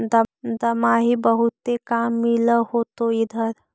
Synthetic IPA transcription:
d̪əd̪əmaɦibəɦut̪ːekamːiləhot̪oid̪ʱəɾ

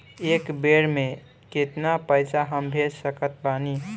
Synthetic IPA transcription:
ekbeɾme | ket̪napəjsaɦəmbʱed͡ʒsəkət̪̚bani

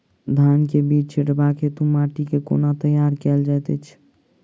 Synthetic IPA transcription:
d̪ʱankebid͡ʒt͡ʃʰiʈbaket̪umaʈikeko̰nat̪əjaɾkɛld͡ʒajt̪ɛt͡ʃʰ

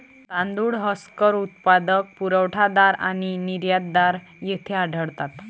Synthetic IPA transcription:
t̪ãnd̪uɽɦɔskəɾut̪pad̪ək̚puɾəwʈʰad̪aɾañiniɾjad̪ːaɾ | jet̪ʰeaɖʱəɽt̪at̪

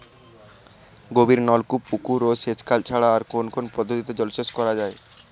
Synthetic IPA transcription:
ɡobiɾnɔlkupukuɾoset͡ɕkalt͡ɕʰaɽaːɾkonkʰonpɔd̪ʱːot̪it̪ed͡ʑɔlseʃkɔɾad͡ʑae

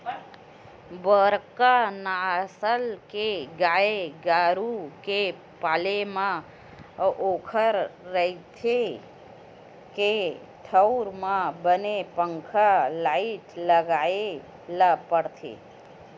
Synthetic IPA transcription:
bəɾkanasəlkeɡaeɡaɾuke | palemã | okʰəɾːəit̪ʰe | ke | t̪ʰəwɾmãbənepəŋkʰalaiʈləɡae | ləpəɽt̪ʰḛ

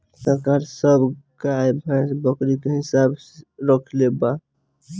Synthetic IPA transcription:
səɾkaɾsəbkajbʱãsbəkɾikeɦisabɾəkʰleba

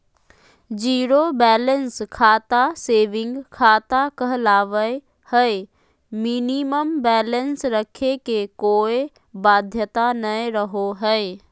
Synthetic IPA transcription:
d͡ʒiːɾobɛːlənskʰaːt̪aseːʋɪ̃ŋɡkʰaːt̪akəɦlaːʋəe | həe | miniməmbɛːlənsɾəkʰekekoːe | baːd̪ʱjət̪anəjɾəɦoɦɛe

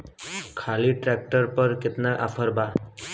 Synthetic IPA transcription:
kʰaliʈɾɛk̚ʈəɾpəɾkɪt̪naʔa̰pʰəɾbʱa

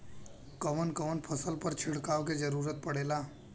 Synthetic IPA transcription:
kəʋənkəʋənpʰəsəlpəɾt͡ʃʰɪɽkaːʋked͡ʒəɾuːɾət̪̚pəɽeːlaː

